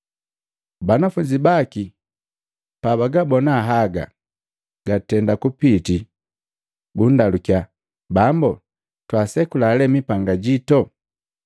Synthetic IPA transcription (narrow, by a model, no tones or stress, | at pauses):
banafuɲɟibaki | paβaɡabɔnaɦaɡa̰ | ɡ̥atɛndakupiti | bun̩dalukja | bambɔ | twasɛkulaːlɛmipaŋɡaɟitɔ